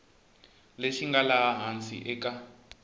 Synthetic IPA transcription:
leʃiŋɡalaaɦant͡sʼḭʔɛka

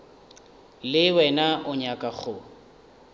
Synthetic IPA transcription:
lɪwɛnaʊɲakʼaχʊ

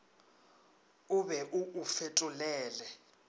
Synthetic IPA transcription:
uβɛʔuʔːfetʼulɛːlɛ

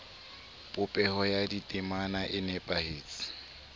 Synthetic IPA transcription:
pʼʊpʼɛhɔjaditʼɪmanaʔɪnɛpʼaheːt͡sʼɪ̥

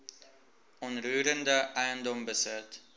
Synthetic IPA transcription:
ɔnryːɾəndəʔɛjəndɔmbəsɪt

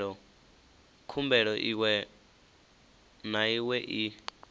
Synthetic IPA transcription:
ɺɔ | kʰumbɛɺɔʔiwɛ | naiwɛʔi

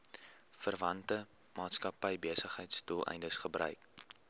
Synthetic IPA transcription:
fərvɐntə | mɑːtskɐpəjbiəsəχəjtstulɛ̰jndəsχəbrœ̰ɥk

